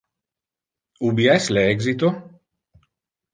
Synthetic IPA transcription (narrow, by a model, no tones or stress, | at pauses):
ubiɛslɛɡzit̪o